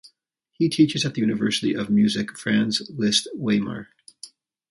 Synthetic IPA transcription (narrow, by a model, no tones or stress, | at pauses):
hitʰit͡ʃɨzɨt̪̚ðɨjʉnɨvɜ˞sɨɾḭʔʌvmjʉzɨkfɹæ̃nzlɪstweɪmə̰˞